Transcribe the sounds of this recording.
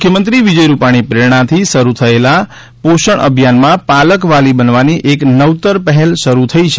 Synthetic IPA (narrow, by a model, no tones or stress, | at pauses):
mukʰjəmənt̪ɾiʋid͡ʒəjɾupaɽ̃ipɾeɾɳ̃at̪ʰiʃəɾut̪ʰəela | poʃəɳʔə̰bʱjanmãpaləkʋalibənʋaniʔeknəʋt̪əɾpəɦɛlʃəɾut̪ʰəit͡ʃʰ